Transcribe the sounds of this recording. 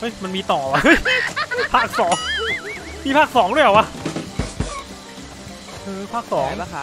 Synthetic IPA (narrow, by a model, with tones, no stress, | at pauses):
ʔɤ˦˥jma˧nmiː˧t̪ɔː˨˩wa˧ɤ˦˥jpʰaː˥˩k̚sɔː˩˦ŋ | miː˧pʰaː˥˩k̚sɔː˩˦ŋdu˥˩jʔa˨˩wa˧˥˩ | ʔɤː˧pʰaː˥˩k̚sɔː˩˦ŋa˧˩